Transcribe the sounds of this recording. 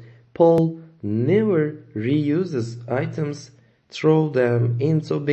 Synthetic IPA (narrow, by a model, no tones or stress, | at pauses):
pʰɔlˠnɛvə˞ɹijʉzɨzaɪtə̃mz̥ | θɹoʊðɛ̃mɪ̃ntobi